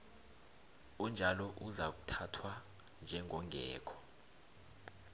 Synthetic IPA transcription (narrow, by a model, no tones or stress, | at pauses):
und͡ʒʱalɔʔuzak̬utʰatʰwa | nd͡ʒʱɛŋʱɔŋɡʱɛ̰ːkʰɔ̥